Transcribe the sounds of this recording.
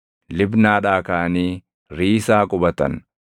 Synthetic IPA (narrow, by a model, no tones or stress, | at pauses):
lɪbnaːᶑaːkaʔɐniː | ɾiːsaːkʼʊbɐt̪ɐ̰n